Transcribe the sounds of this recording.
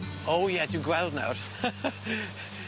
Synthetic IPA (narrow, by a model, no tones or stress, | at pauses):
owjɛdɪɡwɛlˠdna̰wr